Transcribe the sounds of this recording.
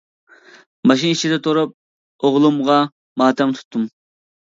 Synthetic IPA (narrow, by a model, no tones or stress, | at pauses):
mɑʃ̬init͡ʃʰid̪ɛt̪ʰoɾup̚ | oʁlˠumʁɑ | mɑːt̪ɛmt̪ʰu̥t̪ʰːum